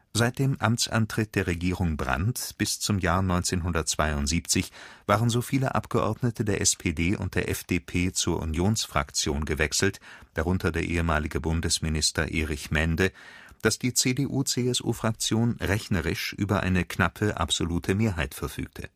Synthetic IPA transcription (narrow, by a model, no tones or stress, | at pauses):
zaɪt̚d̥eːmʔamt͡sʔa̰ntʁ̥ɪt̚d̥eːɐʁeɡiːʁʊŋbʁa̰ntb̥ɪst͡sʊmjaːɐnɔʏnt͡seːnɦʊndɐt̚t͡sv̥aɪʊntz̥iːpt͡sɪçv̥aːʁənzoːfiːləʔa̰pɡ̥əʔɔ̰ɐdnətʰədeːɐʔɛspʰeːdeːʔʊ̰nt̚d̥eːɐʔɛfd̥eːpʰeːt͡suːɐʔṵnjoːnsfʁ̥a̰kt͡sjoːnɡəvɛksl̩td̥aʁʊntʰɐdeːɐʔeːəmaːlɪɡəbʊndəsmɪnɪstɐ̰ʔeːʁɪçmɛndə | d̥asd̥iːt͡seːdeːʔuːt͡seːɛsʔṵːfʁ̥ak̚t͡sjoːnʁɛçnɐʁɪʃʔyːbɐʔa̰ɪnəknapʰəʔa̰pz̥oluːtʰəmeːɐɦaɪtfɛɐfy̰ːk̚tʰə